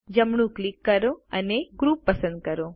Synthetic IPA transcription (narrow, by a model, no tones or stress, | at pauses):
d͡ʒəmɳ̃ũklikːəɾoəneɡɾupːəsə̃nd̪̚kəɾo